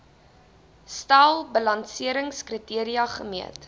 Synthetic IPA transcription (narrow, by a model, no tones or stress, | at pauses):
stalˠbəlɐnsiəɾəŋskritiəɾiɐχəmiət